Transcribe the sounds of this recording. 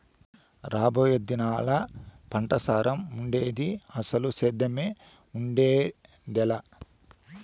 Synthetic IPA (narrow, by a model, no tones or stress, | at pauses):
ɾaːbɐjɐd̪inaːlɐpɐɳʈɐsaːɾɐmuɳɖeːd̪iɐsɐlusɛːd̪ɐme | uɳɖeː | d̪ɛlɐ